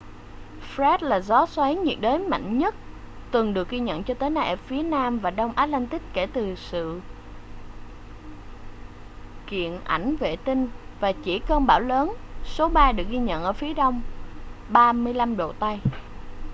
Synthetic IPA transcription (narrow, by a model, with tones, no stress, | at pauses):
fzɛ˦˥t̚laː˨˩zɔ˨˦swa˨˦jɲḭ˨˩ək̚ɗəː˨˦jma̰˧˨jŋ̟ɲə˦˥t̚ | t̪ɨ˨˩ŋɗɨ˨˩ək̚ɣi˧ɲə̰˧˨nt͡ɕɔ˧t̪əː˨˦jnaː˧jʔɛ˧˩fi˨˦ənaː˧mvaː˨˩ɗə˧wŋ͡mʔaː˨˥t̚lɛ˧nt̪ï˦˥k̚ke˧˩t̪ɨ˨˩sɨ̰˧˨ | kḭ˧˨ənʔa˧˩jŋ̟vḛ˧˨t̪ï˧ŋ̟vaː˨˩t͡ɕi˧˩kəː˧nɓaː˧˩wləː˨˦nso˨˦ɓaː˧ɗɨ˨˩ək̚ɣi˧ɲə̰˧˨nʔəː˧˩fi˨˦əɗə˧wŋ͡m | ɓaː˧mɨ˧əjla˧mɗo̰˧˨t̪a˧j